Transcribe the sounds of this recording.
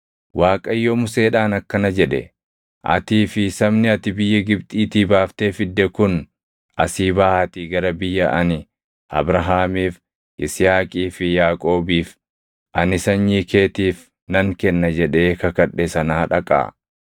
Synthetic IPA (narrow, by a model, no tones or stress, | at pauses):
waːkʼɐjːɔmʊse̞ːᶑaːnɐkːɐnɐd͡ʒɛᶑɛ̰ | ʔɐ̰t̪iːfɪsɐmnɪɐt̪ɪbɪjːɐɡɪbt̪ʼiːt̪iːbaːft̪e̞ːfɪd̪ːɛkʊn | ʔɐsiːbaːhɐt̪ɪɡɐɾɐbɪjːɐʔɐnɪ | ʔɐ̰bɾɐɦaːmiːf | ʔɪsɪjaːkʼiːfɪjaːkʼo̞ːbiːf | ʔɐnɪsɐɲjiːkeːt̪iːf | nɐŋkɛnːɐd͡ʒɛᶑe̞ːkɐkɐᶑesɐnaːᶑɐkʼa̰ː